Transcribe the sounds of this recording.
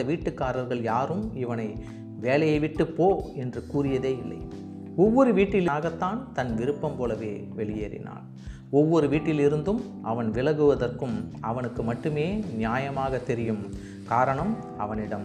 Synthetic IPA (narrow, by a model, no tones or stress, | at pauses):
ɐʋiːʈːɯkːaːɾɐɾɣɐɭjaːɾɯmɪʋɐnɐɪ | ʋeːlɐjɐɪʋɪʈːɯpːoːɛndrɯkuːrɪjɐðeːɪlːɐ̰ɪ | ɔʋːɔɾɯʋiːʈːɪlɪaːɣɐt̪ːaːnt̪ɐnʋɪɾɯpːɐmpoːlɐʋeːʋɛɭɪjeːɾɪ̰na̰ːn | ɔʋːɔɾɯʋiːʈːɪlɪɾɯnd̪ɯm | ʔɐʋɐnʋɪlɐɣɯʋɐðɐrkɯmɐʋɐnɯkːɯmɐʈːɯmeːnɪjaːjɐmaːɣɐt̪ːɛɾɪjɯm | kaːɾɐɳɐm | ɐʋɐnɪɽɐm